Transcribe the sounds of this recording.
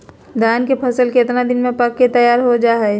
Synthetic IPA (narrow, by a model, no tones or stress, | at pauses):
d̪aːnkepʰəsəlkeɪt̪nad̪ɪnmẽpəkːet̪əjaːɾɦod͡ʒaːɦɛ